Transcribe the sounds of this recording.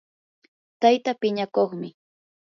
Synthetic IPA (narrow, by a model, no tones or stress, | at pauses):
t̪ajt̪apɪɲakoχmɪ